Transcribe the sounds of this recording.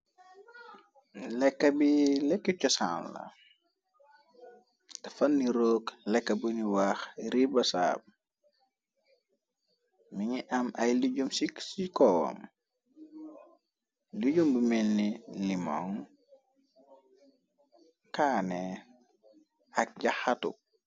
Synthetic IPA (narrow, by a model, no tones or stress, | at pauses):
lɛkːɐbilɛkːit͡ʃɔsa̰ːnlɐ̰ | tɐfɐnːiɾoːklɛkːɐbuniwaːxɾibɐsa̰ːb̚ | miɲiʔɐmɐjliɟumsisikɔwɐ̰m | liɟumbumɛlːilima̰ŋ | kaːnɛ | ɐk̚ɟaxatṵ